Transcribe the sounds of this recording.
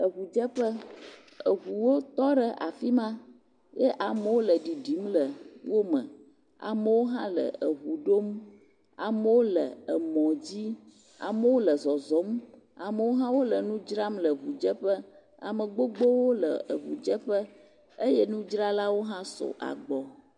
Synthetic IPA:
ə˨ɣu˨d͡ʒə˦ɸə˦ | ə˨ɦu˨wo˦t̪ɔ˦ɖə˨ʔa̰˨fi˦mã˦ | jɛ˦ʔa˨mə˨wo˦lə˨ɖi˨ɖi˨˦mlə˨wo˦mə̰̃˨ | a̰˨mə˨wo˦ɦã˦lə̰˨ə˨ɦu˨ɖo˦m | a̰˨mə˦wo˦lə̰˨ə˨mɔ̃˨d͡ʑi˦ | a̰˨mə˦wo˦lə˨zɔ˨zɔ˨˦m | a˨mə˨wo˦ɦã˦wo˦lə˨nũ˦d͡ʒɾa˦mlə˨βu˨d͡ʒə˦ɸə˦ | a̰˨mə˨ɡ͡bo˦ɡ͡bo˦wo˦lə̰˨ə˨βṵ˨d͡ʒə˦ɸə˦ | ə˦jɛ˦nũ˦d͡ʒɾa˦la˦wo˦ɦã˦sɔ̰˨ʔa̰˨ɡ͡bɔ˨

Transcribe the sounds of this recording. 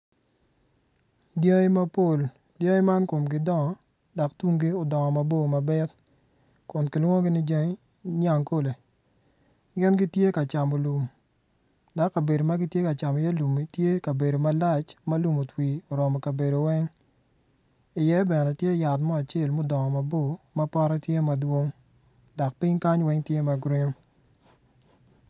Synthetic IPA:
dje˦e˦ma˦po˦˨l | djə˦ŋɪ˦ma˦nko˨mɡɪ˦dɔ˦ŋɔ˨ | da˨ktwu˦ŋɡi˦o˨dɔ˨ŋɔ˨ma˨bo˦˨ma˨bɛ˦t | kʊ˨nkɪ˨lwɔ˦ɡɪ˦nɪ˦d͡ʒa˦ŋe˦ | ɲa˨ŋko˦le˨ | ɡɪ˦nɡɪ˦tje˦ka˨t͡ʃa˨mo˨lu˨m | da˦kːɐ˨be˨do˨ma˦ɡɪ˦tje˦ka˨t͡ʃa˨mɔ˨ja˦lu˨mi˨tje˦ka˨be˨do˨ma˦la˦t͡ʃmɐ˦lu˨mo˨twi˨o˨ɾɔ˨mɔ˨ka˨be˨do˨wɛ˦ŋ | ɪ˨jɛ˦bɛ˨nɛ˨tje˦ja˨tmɔ˦a˨t͡ʃe˦˨lmʊ˦dɔ˨ŋɔ˨mɐ˨bo˦˨mɐ˦pa˦ɾɔ˦tje˦mɐ˨dwo˦ŋ | da˨k̚pi˦ɲka˦ɲwɛ˦ŋtje˦mɐ˨ɡɾi˦ŋo˦

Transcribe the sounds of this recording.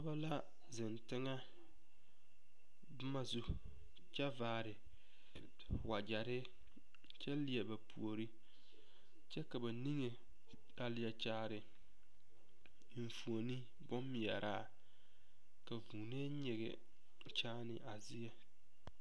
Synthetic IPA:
a˦ba˦la˦ | zɪ˨ntɪ˦ŋa˦ | bʊ˦ma˦zu˦ | t͡ʃɛ˦vaː˦˨ɾɪ˨ | wa˨d͡ʒa˨ɾɪ˦ | t͡ʃɛ˦lɪ˨ɛ˨ba˨pʰṵ˨o˨ɾi˦ | t͡ʃɛ˦ka˨ba˨ni˦ŋe˨ | la˦lɪ˦jɛ˨t͡ʃaː˦ɾɪ˨ | m̩˨fu˨o˨ni˦ | bʊ˦mː˦ɪ˨jɛ̰˨ɾaː˦˨ | ka˨vuː˨ne˦ɲe˨ɡɛ̰˨ | t͡ʃaː˦nɪ̰˨ʔa˨zɪ˦jɛ˦

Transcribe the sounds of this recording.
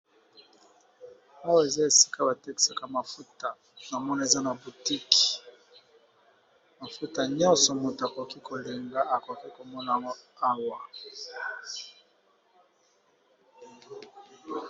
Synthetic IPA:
a˦wa˦˨e˨za˦e˨si̥˦ka˦ba˨tɛ˦ksa˨ka˨ma˨fu˦ta˨ | na˨mɔ˦na˨e˨za˦na˨bu˨ti˦ki̥˨ | ma˨fu˦ta˨ɲɔ̃˦sɔ˨mo˨ta˨ko˨ki˦kʰo˨li˨ŋɡa˦a˨ko˨ki˦ko˨mɔ˦na˨ja˨ŋɡo˦a˦wa˨

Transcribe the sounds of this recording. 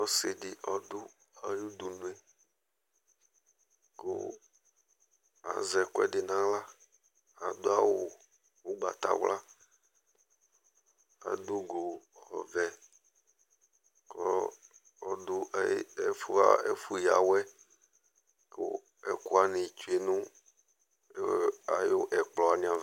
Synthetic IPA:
ɔ˦sɪ˨dɪ˨ʔɔ˨d̪ʊ˦ | a˨ju˦d̪u˨nũ˦e˨ | ko̰˦ | a̰˨zɛ˨kʊ˦ɛ̰˦ɖɪ˨nã˦la˦ | a˨d̪o˦a˦wo˨ | wo˦ɡ͡ba̰˨t̪a̰˨wlʔa˦ | a̰˨du˦ɡo˨xɔ˨vɛ˨ | klɔ˦ | ɔ˦du˦˨˦ɛ˨fu˦a˦e˦fu˦ja̰˨wɛ˦ | ko˦ | ɛ˨ku˦a˦nẽ˨t͡ʃu˦e˨nũ˦ | a˨jo˦ʔɛ˨k͡plɔ˨a˨nĩ˦ã˨

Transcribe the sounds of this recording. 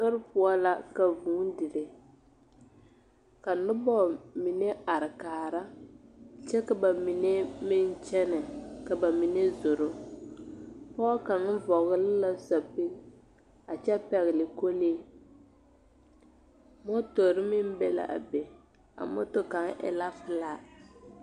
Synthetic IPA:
no˦ɾpʊ˦a˦la˦ka˨vuː˨˦dɪ˨ɾe˨ | ka˨nʊ˦bɔ˦˨mi˨ne˦a˨ɾɪ˨kaː˨ɾa˦ | t͡ʃɛ˦ka˨ba˨mi˨ne˦mɪ˦n˦t͡ʃɛ˦nɪ˨ka˨ba˨mi˨ne˦zo˨ɾo˦ | pɔː˦ka˨ŋ˦vɔ˨ɣɪ˦lɪ˦la˦sa˨pi˦ | a˨t͡ʃɛ˦pɛ˨ɣɪ˨lɪ˨ko˦le˦ | mɔ˦to˨ɾɪ˦mɪ˦m˦bɛ˦la̰˨ʔa̰˨be˨ | a̰˨mɔ̰˦to˦ka˨˦ŋʔɪ̰˨la˦fɪ˦laː˦

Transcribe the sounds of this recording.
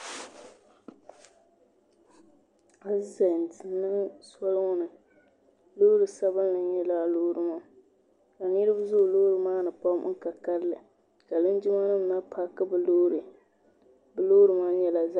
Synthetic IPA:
a˦za˨n˨tɪ˨nːɨ˦ŋsɔ˦lŋʊ˦nɨ˨ | loː˦ɾɨ˨sa˦bɨ˦nlɨ˨˦ɛ˦la˦lo˦ɾɨ˨ma˦ | ka˨ni˦ɾɨ˦bzʊ˦ʔloː˦ɾɨ˨maː˦nɨ˨pa˦m̰̩˦ka˨ka˦ɾlɨ˨ | ka˨lɨ˦n˦d͡ʒʊ˦ma˦nɨ˦m˨na˦pʰa˦kɨ˦bɨ˨lo˦ɾɨ˨ | bɨ˨loː˦ɾɨ˨ma˦jɛ˦la˨za˦

